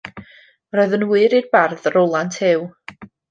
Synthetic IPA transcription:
rɔɨðənwɨɾirbarðəɾɔlˠantʰhɪw

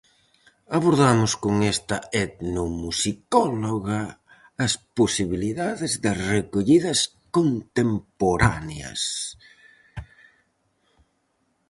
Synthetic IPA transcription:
aβoɾðamʊskoŋɛst̪ɐɛt̪nomusikɔloɣɐː | sposiβiliðaðɪzðɪrekoʎiðɐs | kont̪empoɾaneɐ̰s

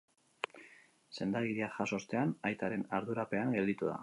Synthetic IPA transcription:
se̞nd̪aɣiɾiaxaso̞st̪e̞anajt̪aɾe̞naɾðuɾape̞aŋɡe̞ld̪it̪uða̰

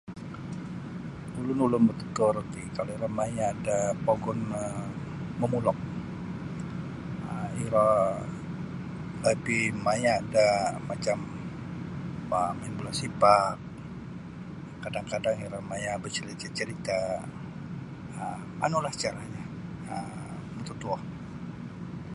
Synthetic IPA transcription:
ulʊnulʊnbət̪ə̥t̪ʊrkikaloiɾɔmajaːdapoɡɔnə | məmulɔk̚ | əiɾa | ləpimajaːdamat͡ʃam | əmainbulasipak̚ | kadaŋkadaŋiɾɔmajabət͡ʃəɾit͡ʃat͡ʃəɾit̪a | ə | a̰nulaht͡ʃaɾaɲa | ə | mut̪ut̪uɔh

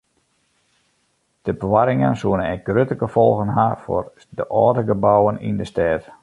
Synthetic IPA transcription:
d̥əbəʋaɾɪŋə̰nsuənənɛɡ̥røtəɡəfɔlˠɣənɦafo̰r | dəʔɔːdəɡəbɔwənḭndəstɛːt

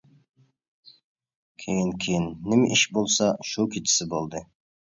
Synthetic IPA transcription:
kʲʰejɪŋkʲʰejɪnːɪmʔɪʃbolˠsɑʃukʰʲit̪ʰɪ̥sɪbolˠd̪ɨ

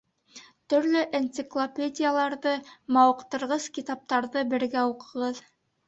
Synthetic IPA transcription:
t̪ɵ̆ɾlɵʔent̪sɨklˠopʲedʲɪjalˠɑɾðɤmɑwɤ̆qt̪ɤ̆ɾʁɤzkʲit̪ɑp̚t̪ɑɾðɤbɘ̆ɾɡæuqɤ̆ʁɤð

